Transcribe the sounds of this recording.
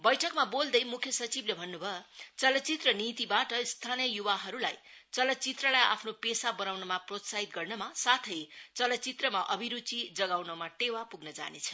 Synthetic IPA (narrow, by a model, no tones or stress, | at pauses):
bʌjʈʰʌkmabold̪ʌjmukʰjʌsʌt͡siblebʱʌnːubʱʌjot͡sʌlʌt͡sit̪rʌnit̪ibaʈʌist̪ʰanijʌjuwaɦʌɾulajt͡sʌlʌt͡sit̪rʌlaja̰pʰnopesabʌnawnʌmaprot̪saɦit̪̚ɡʌrnʌmasat̪ʰʌjt͡sʌlʌt͡sit̪rʌmaʔʌbʱiɾut͡sid͡zʌɡawnʌmaʈewapuɡnʌd͡za̰net͡sʰʌ̥